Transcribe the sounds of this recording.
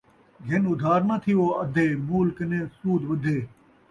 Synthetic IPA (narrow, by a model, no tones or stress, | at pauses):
ɡʱenʊd̪ʱaːɾnɐt̪ʰiʋoːɐd̪ʱeːmuːlkənẽːsuːd̪ʋɐd̪ʱeː